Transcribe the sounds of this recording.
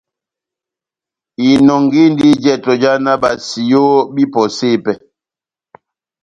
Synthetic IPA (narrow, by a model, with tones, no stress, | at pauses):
i˨nɔ˨ŋɡi˦n˦di˦d͡ʒɛ˦˨tɔ˨d͡ʒa˦na˦ba˨si˨jo˦bi˦pɔ˨se˦˨pɛ˨